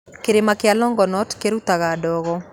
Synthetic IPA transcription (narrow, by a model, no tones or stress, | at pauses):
keɾemakealɔŋɡɔnɔtkeɾutaɣaːdɔːɣɔ